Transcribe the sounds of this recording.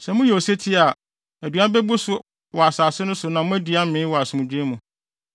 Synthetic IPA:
sɛ˨mʊ̃˦jɛ˨o˨se˦tʰɪ˦a˨ | æ˨du˨˦a˦bɛ˦bʊ˦sʊ˦ | wɔ˨a˨saː˨sɪ˦nʊ̃˦sʊ˨nã˨mʊ̃˦æ˦di˨a˦mɪ̃ː˨˦wɔ˨a˨sɪ˨mũ˨d͡ʑᶣu˦e˦mũ˨

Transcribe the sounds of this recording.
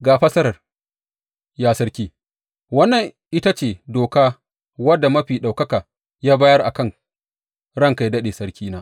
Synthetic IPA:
ɡaː˨ɸɐ˦sɐ˦ɾɐ˨r | jaː˦sɐ˦ɾkʲiː˦ | wɐ˦nːɐ˨ŋʔɪ˦ta˦t͡ʃeː˨doː˨kaː˦ | wɐ˦dːa˨mɐ˦ɸiː˨ɗa˨wkɐ˦kaː˨ | jaː˦baː˦jɐ˦rʔa̰˨kɐ˦˨ŋ | ɽɐ˦ŋka˨jdɐ˦ɗeː˨sɐ˦ɽkʲiː˦naː˦

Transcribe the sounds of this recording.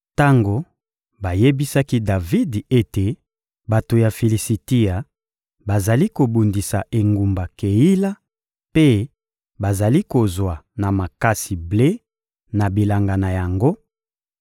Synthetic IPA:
ta˦ŋɡo˨ | ba˨je˦bi˦sa˦ki˦da˨vi˦de˦te˨ | ba˨to˨ja˨fe˨li˨si˨ti˦a˨ | ba˨za˨li˦ko˨bu˨ndi˨sa˨ʔe˨ŋɡu˨mba˨ke˨ji˦la˦ | pe˦ | ba˨za˨li˦ko˨zwa˨na˨ma˨ka˦si˨ble˦ | na˨bi˨la˨ŋɡa˨na˨ja˨ŋɡo˦

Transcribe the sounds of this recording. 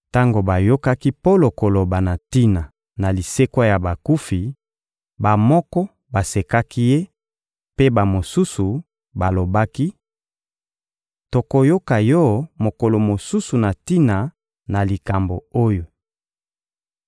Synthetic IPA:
ta˦ŋɡo˨ba˨jo˦ka˦ki˦po˦lo˨ko˨lo˨ba˨na˨ti˦na˨ | na˨li˨se˦kwa˦ja˨ba˨ku˦fi˨ | ba˨mɔ˦kɔ˦ | ba˨se˨ka˦ki˦je˦ | pe˦ba˨mo˨su˦su˨ | ba˨lo˨ba˦ki˦ | to˨ko˨jo˦ka˨jɔ˦mo˨ko˨lo˨mo˨su˦su˨na˨ti˦na˨ | na˨li˨ka˨mbo˨o˦jo˨

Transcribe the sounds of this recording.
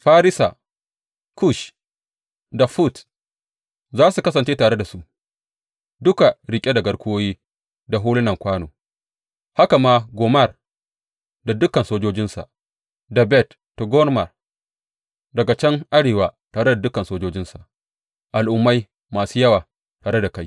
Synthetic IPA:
ɸaː˦ɾɪ˦sa̰˨ | ku˦ʃ | da˨ɸu˦t | zaː˦su˨kɐ˦sɐ˨nt͡ʃeː˦taː˨ɽe˦da˨su˦ʔ | dʊ˦ka˨ɽɪ˨kʲʼe˦da˨ɡɐ˦ɽkʷʊ˦oː˦jiː˦ | da˨ɦuː˦lɪ˦nɐ˨ŋkʷaː˦noː˨ | ha˦ka˨maː˦ɡoː˨mɐ˦˨r | da˨dʊ˦kɐ˨nsoː˦d͡ʒoː˦d͡ʒɪ˦nsa̰˨ʔ | da˨bɛ˦tːo˨ɡɔ˦rmɐ˨r | dɐ˨ɡa˨t͡ʃɛ˦ŋʔa˦ɽeː˨waː˨taː˨ɽe˦da˨dʊ˦kɐ˨nsoː˦d͡ʒoː˦d͡ʒɪ˦nsa˨ʔ | ʔa˨lʔʊ˨mːa˦j | maː˨suː˦jɐ˦waː˨ | taː˨ɽe˦da˨ka˦j

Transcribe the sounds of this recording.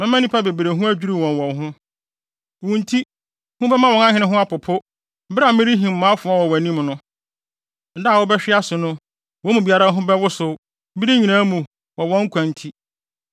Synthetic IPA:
mɪ̃˦mã˦nĩ˦pʰa˦be˨bɾe˨ɦʊ̃˦æ˦d͡ʑᶣi˦ɾi˦˨wɔ̃˨nwɔ̃˨nɦʊ̃˦ | wũ˨n˦tʰi˦ | hʊ̃˦bɛ˦mã˦wɔ̃˨nã˦hɪ̃˦nɪ̃˦ɦʊ̃˦a˦pʊ˨pʰʊ˦ | bɾa˨mɪ̃˦ɾi˦ɦĩ˨m̩˨mãː˨˦fʊ˨˦a˦˨wɔ˨wæ˨nĩ˦mnʊ̃˦ | n̩˨da˦˨wɔ˦bɛ˦ɕᶣɪ˦a˦sʊ˨nʊ̃˦ | wɔ̃˦mũ˨bi˨˦a˦ɾa˦ɦʊ̃˦bɛ˦wʊ˦sʊ˨˦ | bi˦ɾi˦ɲĩ˨nãː˦mũ˨ | wɔ˨wɔ̃˦ŋ̩˦kʰʷã˨n˦tʰi˦

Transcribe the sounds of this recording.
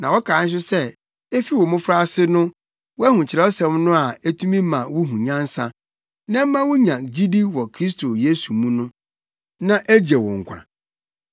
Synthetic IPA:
nã˨wɔ˦kʰaː˨˦n̩˦ɕ̬ɪ˦sɛ˦ | e˦fi˦wɔ˨mʊ̃˦fɾa˦sɪ˦nʊ̃˦ | wɔ˦æ˦hũ˨t͡ɕʰɪ˨ɾɛ˨˦ɔ˦sɛ̃˨˦mnʊ̃˦a˨e˦tʰũ˦mĩ˦mã˨wʊ˦ɦũ˨ɲã˦n̩˦sã˦ | nã˦m̩˦mã˦wʊ̃˦ɲã˨d͡ʑi˦di˦wɔ˨kʰɾi˦stʰo˨je˦su˨mũ˦nʊ̃˦ | nã˦ʔæ˦d͡ʑɛ˨wɔ̰̃˨ŋ̩˨kʷʰã̰˨

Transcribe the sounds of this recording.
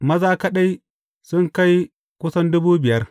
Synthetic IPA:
mɐ˦zaː˦kɐ˦ɗa˦j | sʊ˦ŋka˦j | kʷʊ˦sɐ˦ndʊ˦buː˦bɪ˨jɐ˦r

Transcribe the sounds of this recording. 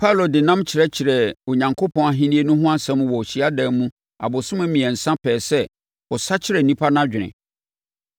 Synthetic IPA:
pʰa˦˨lo˨dɪ˨nã˦mt͡ɕʰɪ˨ɾɛ˦t͡ɕʰɪ˨ɾɛ˨o˨ɲã˨ŋkʰo˦pʰɔ̃˦na˦ɦĩ˦nĩ˦e˦nʊ̃˦ɦʊ̃˦a˦sɛ̃˦m˦wɔ˨ɕi˦a˦dã˦mũ˦ | a̰˨bʊ˨sʊ̃˦mʊ̃˦mĩ˨ɛ˨n̩˨sã˦pʰɛː˨sɛ˦ | ɔ˨sa˦t͡ɕʰɪ˦ɾɛ˨nĩ˦pʰa˦nã˦d͡ʑᶣɪ˨nɪ̰̃˨

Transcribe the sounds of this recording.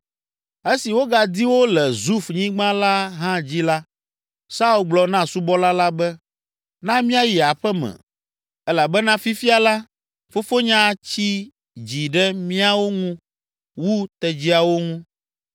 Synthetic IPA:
e˦si˨wo˦ɡa˨d̪i˦wo˦lɛ˨zu˦fɲĩ˦ɡ͡bã˦la˦ɦã˦d͡ʑi˦la˦ | sa˦u˦lɡ͡blɔ˨nã˦su˦bɔ˦la˦la˦bɛ˦ | nã˦mĩ˦a˦˨ji˨a˨ɸɛ˦mɛ̰̃˨ | ɛ˦la˨bɛ˦nã˦fi˦fi˦a˨la˦ | fo˦fo˦ɲã˦t͡ɕi˦ | d͡ʑi˨ɖɛ˦mĩ˦a˦wo˦ŋũ˦ | wu˦t̪ɛ˨d͡ʑi˦a˨wo˦ŋũ˦

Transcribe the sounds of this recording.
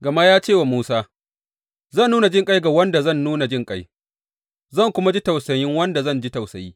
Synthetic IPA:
ɡɐ˨ma˦jaː˦t͡ʃeː˦˨wa˨muː˦saː˦ | zɐ˦˨nːuː˦na˨d͡ʒɪ˦˨ŋkʼa˦jɡa˨wɐ˦nda˨zɐ˦˨nːuː˦na˨d͡ʒɪ˦ŋkʼa˦j | zɐ˦˨ŋkʷʊ˦ma˦d͡ʒi˦ta˨wsɐ˨jɪ˦ŋwɐ˦nda˨zɐ˦nd͡ʒi˦ta˨wsɐ˨jiː˦

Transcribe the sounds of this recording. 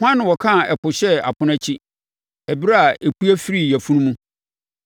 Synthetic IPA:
hʊ˦ã˦nɪ̃˨wɔ˨kʰã˦˨ɛ˨pʰʊ˨ɕɛ˦a̰˨pʰʊ̃˦næ˦t͡ɕʰi˦ | ɛ˨bi˦ɾa˦a˨ʔe˨ku˦æ˦fi˦ɾi˦˨jæ˨fũ˦nũ˦mũ˦

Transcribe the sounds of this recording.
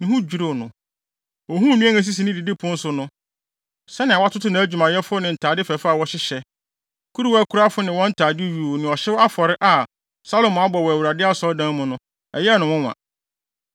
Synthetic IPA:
nĩ˨hũ˦d͡ʑᶣu˨ɾo˦˨nʊ̃˨ | ɔ˨ɦũ˦˨mĩ˦ɛ̃˦ŋɛ̃˦s̬i˦s̬i˨nɪ̃˦di˨di˦pʰʊ̃˦n̩˦sʊ˨nʊ̃˦ | sɛ˦nɪ̃˨a˨wa˦tʰʊ˦tʰʊ˦nã˨æ˦d͡ʑᶣu˨mã˨jɛ˦fʊ˦nɪ̃˨n̩˨tʰaː˨dɪ˦fɛ˨fa˦˨wɔ˦ɕɪ˦ɕɛ˦ | kʰu˦ɾi˦wæ˦kʰu˦ɾa˦fʊ˦nɪ̃˨wɔ̃˦n̩˦tʰaː˨dɪ˦ɥu˨nɪ̃˨ɔ˨ɕɛ˦wa˦fɔ˨ɾɪ˦ʔa˨ | sa˦lo˨mʊ̃˨a˦bɔ˨wɔ˨æ˨wu˨ɾa˨dɪ˦a˦sɔ˦dã˦mʊ̃˨nʊ̃˦ | ɛ̰˨jɛ˦nʊ̃˨wʊ̃˦wã̰˨

